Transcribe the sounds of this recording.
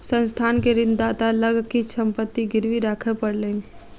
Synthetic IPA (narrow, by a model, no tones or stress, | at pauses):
sə̃nst̪ʰaːnkeɾɪ̃nd̪d̪aːt̪aləɡkisə̃mpət̪ːiɡɪɾʋiɾaːkʰəpəɽlẽːŋɡe